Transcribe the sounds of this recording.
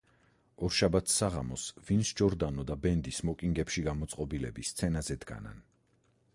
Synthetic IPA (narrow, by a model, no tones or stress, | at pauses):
ɔɾʃabat̪ʰsaʁa̰mɔsvinsd͡ʒɔɾd̪anɔd̪abɛnd̪ismɔkʼiŋɡɛpʃiɡamɔt̪sʼqʼɔbilɛbist̪sʰɛnazɛd̪ɡa̰na̰n